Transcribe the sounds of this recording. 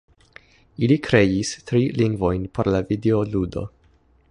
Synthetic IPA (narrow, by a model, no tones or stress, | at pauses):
ilikʰɾe̞jistɾiliŋɡvo̞jnpo̞ɾlavideoludo̞̰